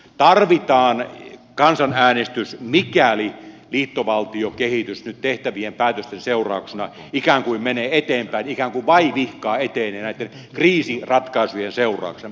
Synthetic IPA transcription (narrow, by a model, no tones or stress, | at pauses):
t̪ɑrʋit̪ɑːnkɑnsɑnæːnest̪ysmikæliliːt̪ːoʋɑlt̪iokehit̪ysnyt̪t̪eht̪æʋiempæːt̪øst̪enseurɑ̰ˑuksenɑ | ikæːŋkuimmeneːet̪eːmpæinikæːŋkuiʋʋɑiʋihkɑːet̪eːnenæˑit̪ːen | kriːsirɑt̪kɑisujenseurˑɑ̰ˑuksen